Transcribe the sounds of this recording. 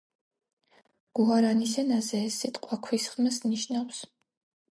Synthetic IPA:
ɡ̥uaɾanisɛnazɛːsːit̪ʼqʼwakʰwisχmɛsniʃnaws

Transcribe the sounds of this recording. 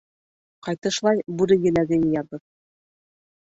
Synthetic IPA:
qɑjt̪ɤ̆ʃlˠɑjbʉɾɘjɘ̆læɡɘjjɑðɤk̚

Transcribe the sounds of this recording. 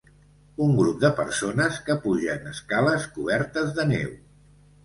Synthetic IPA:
uŋɡɾup̚d̪əpəɾsonəskəpuʒəːnəskaləskuβ̞ɛɾt̪əzðənḛw

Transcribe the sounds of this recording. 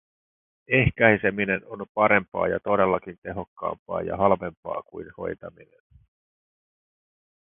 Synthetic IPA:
e̞hkæjse̞mine̞no̞npɑɾe̞mpɑ̰ːjɑt̪o̞de̞lːɑkint̪e̞ɦo̞kːɑ̰ːmpɑ̰ːjɑ̰ɦɑlʋe̞mpɑ̰ːkujnho̞̰jt̪ɑmine̞n

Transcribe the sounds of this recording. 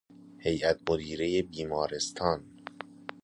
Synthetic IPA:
he̞jʔæt̪̚ʰmod̪iːɾe̞jebiːmɒːɾe̞st̪ʰɒːn

